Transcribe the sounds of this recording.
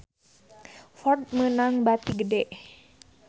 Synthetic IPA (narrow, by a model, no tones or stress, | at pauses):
fɔrt̪̚mənaŋbat̪iɡədɛʔ